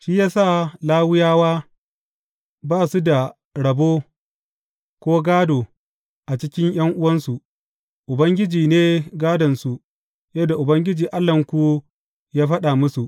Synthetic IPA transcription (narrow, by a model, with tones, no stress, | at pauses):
ʃi˦jaː˦sa˦˨laː˦wʊ˦jaː˦waː˦ | baː˦˨su˦da˨ | ɽɐ˨boː˦ | kʷoː˦ɡaː˦doː˨ | ʔa˨t͡ʃɪ˦kʲɪ˦ɲj̰ɐ˦ŋʔʊ˦wɐ˦nsu˨ | ʔʊ˨bɐ˦ŋɡʲɪ˦d͡ʒiː˨neː˦ɡaː˦dɐ˨nsu˨ | jɐ˦da˨ʔʊ˨bɐ˦ŋɡʲɪ˦d͡ʒiː˨ʔa˦lːɐ˨ŋkʷu˦ | jaː˦ɸɐ˦ɗa˨mʊ˦su˨ʔ